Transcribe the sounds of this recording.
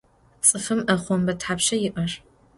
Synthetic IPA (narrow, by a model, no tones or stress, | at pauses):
t͡sʼɨfɨmʔɐχʷɔmbɐtħaːpʃɐjɪʔɐr